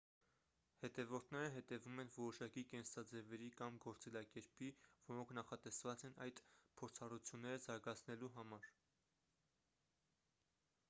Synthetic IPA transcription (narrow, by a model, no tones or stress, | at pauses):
hɛt̪ɛvɔɾt̪ʰnɛɾəɦɛt̪ɛvumɛnvɔɾɔʃɑkikɛnsɑd͡zɛvɛɾikɑmɡɔɾt͡sɛlɑkɛɾpivɔɾɔŋkʰnɑχɑt̪ɛsvɑt͡sɛnɑ̰jd̪pʰɔɾt͡sʰɑrut͡sʰjunːɛɾəzɑɾɡɑt͡sʰnɛluɦɑmɑɾ